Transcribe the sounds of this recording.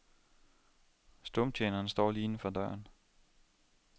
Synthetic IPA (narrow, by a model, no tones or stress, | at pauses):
sd̥ɔmt͡ɕʰeːnɐːnsd̥ɒ̰ːliːnəfɒd̥ɶɐ̰n